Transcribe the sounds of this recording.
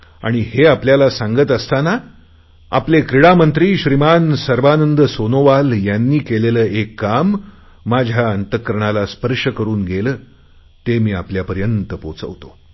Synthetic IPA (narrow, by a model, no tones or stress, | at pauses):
a̰ɽ̃iheapljalasãŋɡət̪əst̪ana | a̰plekɾiɽamənt̪ɾiːɕɾimansəɾʋanənd̪əsonoʋaljanːiːkeleləːekːamː | ad͡ʑʱjaənt̪əkɾəɳ̃alaspəɾʂəkəɾuːnɡʱeləː | t̪emiːapljapəɾjənt̪əpot͡sə̰ʋt̪o̰